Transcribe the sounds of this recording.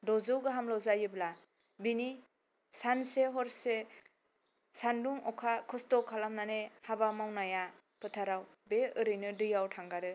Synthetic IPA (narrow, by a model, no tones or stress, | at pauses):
dɔzɯwɡɯɦamlawzajɯbla | bini | sanseɦɔɾse | sanduŋɔkʰakʰɯstɔkʰalamnanehabamawnaja | pʰɯtʰaɾaw | beɯɾɯjnɯdɯjawtʰaŋɡaɾɯ